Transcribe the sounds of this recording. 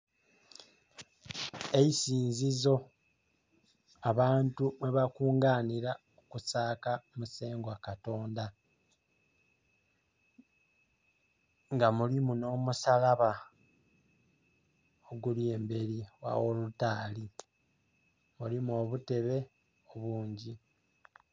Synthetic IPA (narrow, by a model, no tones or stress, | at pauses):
eisiːnzizo̞ | aβaːntumwe̞βakuːŋɡaːniɾa | okusaːkamuse̞ːŋɡwakato̞ːnda | ŋɡamulimuno̞ːmusalaβa | oɡulje̞ːmbe̞ɾiwa̰wo̞lutaːli | mulimo̞βute̞βe̞ | oβuːɲɟi